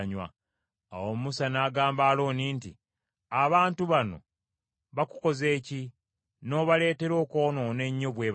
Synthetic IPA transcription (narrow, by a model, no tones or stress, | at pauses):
ɲwa̰ | a̰womusanaːɡaːmbaːlo̞ːniːnti | aβaːntuβano̞̰ | βaku̥ko̞ze̞ːci | no̞ːβale̞ːte̞ɾo̞ːko̞ːno̞ne̞ɲːo̞βwe̞ːβ